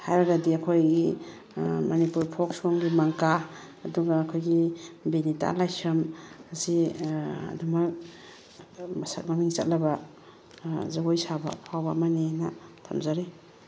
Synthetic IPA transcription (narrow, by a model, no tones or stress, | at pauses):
hajɾaɡadiakʰojɡi | manipuɾpʰɔksɔŋɡimaŋkaː | duɡaːkʰojɡibinita̰lajsɐmasi | a̰duma | msa̰t̚mamiŋt͡ʃat̚laba | zaɡojsaba̰pʰawbamanena̰tʰa̰mzaɾe